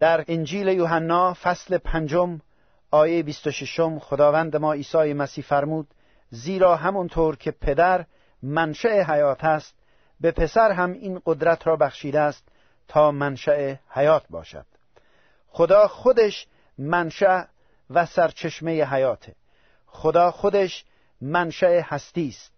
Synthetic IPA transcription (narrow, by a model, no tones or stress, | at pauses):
d̪̥æɾind͡ʒiːlejoːɦænːɒːfæsle̞pʰænd͡ʒom | ɒːjejebist̪oʃeʃomxod̪ɒːvænd̪emɒːiːsɒːjemæsiːhfæɾmuːd̪̥ | ziːɾɒːɦæmɔnt̪ʰoːɾkʰe̞pʰe̞d̪æɾ | mænʃæeɦæjɒːt̪ʰæst̪ | be̞pʰe̞sæɾɦæmiːnɢod̪ɾæt̪ʰɾɒːbæxʃiːd̪eæst̪ʰː | ɒːmænʃæehæjɒːt̪̚ʰbɒ̰ːʃæ̰d̪̥ | xod̪ɒːxod̪eʃ | mænʃæʔ | væsæɾt͡ʃʰeʃmejeɦæjɒːt̪ʰe | χod̪ɒːxod̪eʃ | mænʃæehæst̪iːst̪̚